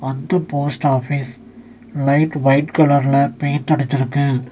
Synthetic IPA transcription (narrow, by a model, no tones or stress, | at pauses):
ɐnd̪ɐpoːsʈaːfis | lɐɪʈʋɐɪʈkɐlɐɾɪlɐpeːɾt̪ɐɽɯt̪ːɪɾɯkːɯ